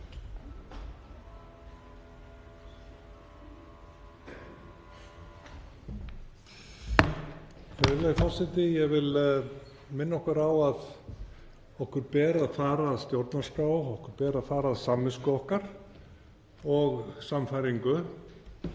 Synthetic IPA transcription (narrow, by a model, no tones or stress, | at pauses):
jɛvɪlafɔlsɛt̪ɪjɛɣvɪl | mɪnːaɔhkʏɾawað | ɔhkʏɾpɛːɾaaðfaːɾaːðst̪jowɾt̪naskaːwɔhkʏɾpɛːɾaðfaːɾaːðsamːɪskʏɔhkaɾ̥ | ɔɣsamfajɾiŋkʏ